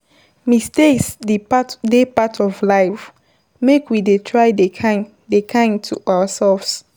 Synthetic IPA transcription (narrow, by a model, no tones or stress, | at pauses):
mistestdepatʰɔvlaɪf | mekwidetʰɹaɪea | dekʰãɪ̃ntʰuʔawəsɛlfs